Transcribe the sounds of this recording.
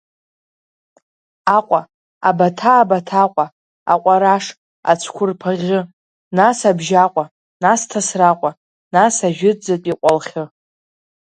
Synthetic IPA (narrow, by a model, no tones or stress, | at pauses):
aqʷʼa | abatʰaːbatʰaqʷʼa | a̰qʷʼaɾaʂ | a̰t͡sʷʰkʷʰʊrpʰaʁʲɨ | nasabʒaqʷʼa | nastʰasraqʷʼa | nasaʒᶣɪd͡zatʼiqʷʼalχʲɪ